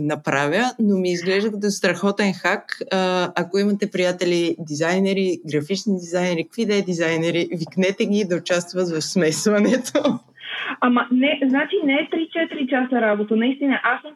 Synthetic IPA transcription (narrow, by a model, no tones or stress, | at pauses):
nɐpɾavʲənomiːzɡlɛʒd̪əkt̪ost̪ɾɐxɔt̪ɛnxakː | ɐkoimɐt̪ɛpɾijat̪ɛlid̪izajnɛɾiɡɾɐfit͡ʃnid̪izajnɛɾikə̥kvid̪ɛd̪izajnɛɾiviknɛt̪ɛɡʲid̪ɐʊt͡ʃast̪vət̪vɐfsmɛsvɐnɛt̪ʰo | amɐnɛznat͡ʃinɛɛt̪ɾit͡ʃɛt̪ɾit͡ʃasəɾabot̪ənɐist̪inəʔasm